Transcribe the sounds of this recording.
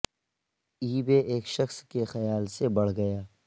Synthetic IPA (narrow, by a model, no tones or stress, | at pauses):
iːbeʔeːkʃɐxskexɐjaːlsebɐɽ̤ɡɐjaː